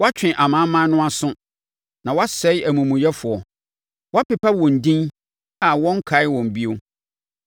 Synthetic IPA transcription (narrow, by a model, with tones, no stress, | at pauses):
wɔ˦a˦t͡ɕᶣɪ̃˨ʔa˨mã˦mã˦nʊ̃˦a˨sʊ̃˦ | nã˨wa˦sɛ˨˦ɪ˦æ˨mũ˨mũ˨jɛ˦fʊ˨ɔ˨ | wɔ˦a˦pɪ˨pʰa˦wɔ̃˨n˨dĩ˦n | a˨wɔ̃˦ŋ˦kʰa˨˦ɪ˦wɔ̃˨m˨bi˦o˦